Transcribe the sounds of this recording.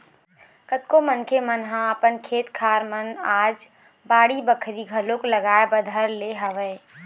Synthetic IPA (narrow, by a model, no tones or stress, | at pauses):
kət̪̚komənkʰemənɦãəpənkʰeːt̪kʰaːɾmənaːd͡ʒ | baːɽibəkʰɾiɡʱəlõkləɡaːebəd̪ʱəɾleɦəʋɛː